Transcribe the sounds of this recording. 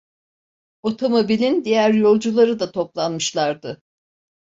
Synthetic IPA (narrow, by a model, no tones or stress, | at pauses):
o̞t̪ʰo̞mo̞bilʲind̪ijæɾjo̞lˠd͡ʒulˠaɾɯd̪at̪ʰo̞plˠanmɯʃlˠaɾd̪ɯ